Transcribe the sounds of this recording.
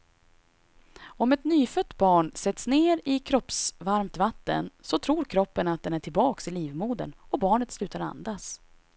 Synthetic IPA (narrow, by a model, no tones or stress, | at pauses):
ɔmɛt̪nyːfœt̪ːbɑːɳsɛt̪sneːɾɪkʰɾɔpsvaɾmt̪vat̪ːə̰nsɔt̪ʰɾuːɾkʰɾɔpːənat̪̚d̪ɛnæʈʰɪlbɑːksɪliːvmuːd̪ə̰nɔbɑːɳət̪slʉ̟ːt̪aɾa̰nd̪as